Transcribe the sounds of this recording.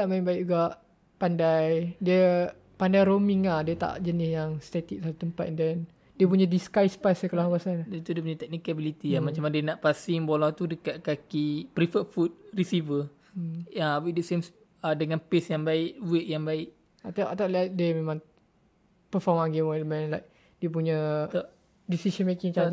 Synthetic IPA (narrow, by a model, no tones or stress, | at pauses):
aʔmaibaiʔ̚d͡ʒuɡaʔ | pandajdiə | pandajɾomiŋahdiət̪a̰ʔd͡ʒənɪsjaŋst̪ɛt̪ik̚sat̪ut̪əmpa̰t̪̚dɛn | diəp̬uɲadiskajspasəkəlakasandit̪udiəp̬uɲat̪ɛk̚nikabilit̪iamat͡ʃamandiənaʔpasɪŋbolɔht̪udəkaʔkakipɾifəfut̪̚risivə | awidəsems | adəŋanpesjaŋbaɪʔwiʔjaŋbaɪʔ | at̪aʔat̪aʔlaʔ̚diəmemãŋ | pəfɔmãnɡemɔləmɛ̃nlajk̚ | diəp̬uɲə | disisənmekiŋt͡ʃaa